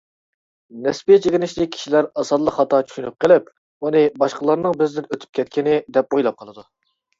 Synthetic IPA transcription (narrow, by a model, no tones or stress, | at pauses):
nɛspit͡ʃʰeɡʲɪnɪʃlɪkʲʰi̥ʃilæɾɑsɑd̪lˠəqχɑt̪ʰɑt͡ʃʰy̥ʃynyp̚qʰəlɪp | unɨbɑʃqəlˠɑɾnɨŋbɪzd̪ɪnøt̪ʰy̥p̚kʲʰɛt̪̚kʲɪnɪd̪ɛp̚ojlˠɑp̚qʰɑlˠɨd̪u